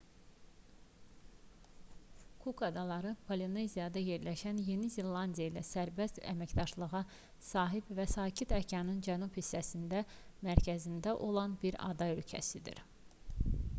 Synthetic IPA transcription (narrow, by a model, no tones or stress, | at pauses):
kʰukɑd̪ɑlˠɑɾɯpʰoline̞zijɑd̪ɑje̞ɾlæʃænje̞nizilːˠɑnd̪ijeilæsæɾbæst̪æ̰mæcd̪ɑʃlˠɯɣɑ | sɑːɦibvæsɑːcʰit̪ʰæcʰɑnɯnd͡ʒænuphisːæsind̪æmæɾcʰæzind̪æʔo̞lˠɑnbiɾɑ̰d̪ɑølcʰæ̰sid̪ḭɾ